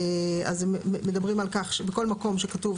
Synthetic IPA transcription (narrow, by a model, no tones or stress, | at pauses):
a̰zmedabʁimalkaχʃbeko̞lmako̞mʃekatuv